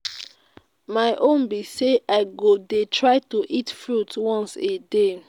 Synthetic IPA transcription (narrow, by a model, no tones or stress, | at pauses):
maɪʔõnbiseʔaɪɡodetʰɹaɪtuʔitfɹutwɔ̃nsede